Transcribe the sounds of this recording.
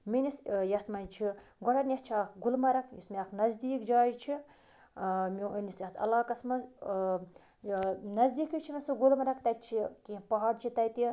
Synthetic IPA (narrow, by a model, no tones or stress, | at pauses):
minisjɐht̪mɐnt͡ʃʰiɡɔɽɐnʲjiht͡ʃʰiaːkɡulmɐɾɐkjismiaːknɐzd̪iːkd͡ʒaːjit͡ʃʰi | minisjɐht̪ʰɐ̰laːkɐsmɐz | nɐzd̪iːkɨt͡ʃʰimisɨɡulmɐɾɐkt̪ɐjt̪̚t͡ʃʰikĩːpɐɦaɾt͡ʃʰit̪ɐjt̪i